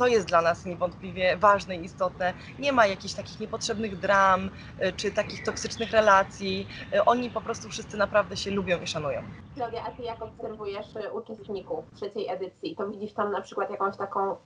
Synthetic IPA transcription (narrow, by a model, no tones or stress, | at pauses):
t̪ɔjɛst̪d̪lanasɲɛvɔnt̪̚pʲlʲivʲjɛvaʐnɛjist̪ɔt̪ɛ | ɲɛmajakʲiɕt̪akʲixɲɛpɔtʂɛbnɘɣd̪ɾam | t͡ʂɘt̪akʲixt̪ɔksɘt͡ʂnɘxɾɛlat̪sʲjiʔɔɲipɔpɾɔst̪ufʂɘst̪sɘnapɾavd̪ɛɕɛlubʲjɔ̃w̃iʂanujɔ̰̃w̃ | nɔvʲjɛʔat̪ɘjakɔpsɛɾvujɛʂut͡ʂɛst̪ɲikuft̪ʂɛt͡ɕejɛd̪ɘt̪sʲjit̪ɔvʲid͡ʑiʂt̪amnapʂɘkwat̪jakɔ̃w̃ɕt̪akɔ̃w̃